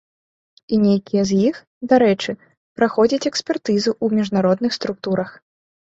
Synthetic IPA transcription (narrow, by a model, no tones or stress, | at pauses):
inʲejkʲijɛzʲjix | d̪aɾɛt͡ʂɨ | pɾaxɔd͡zʲɐt͡sʲɛksʲpʲɛrt̪ɨzuʔumʲiʐnaɾɔd̪nɨxst̪ɾuk̚t̪uɾɐx